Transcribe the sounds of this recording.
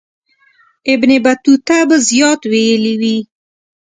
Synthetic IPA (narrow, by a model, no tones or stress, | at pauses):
ɪbnebat̪ut̪abazjɑt̪wejəliwi